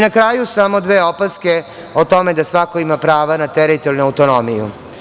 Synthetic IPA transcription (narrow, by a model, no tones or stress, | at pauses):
nakɾaːjusamo̞d̪ʋeːo̞paske | ot̪o̞med̪asʋako̞imapɾaːʋanat̪ɛɾit̪oɾnuawt̪o̞nomijṵ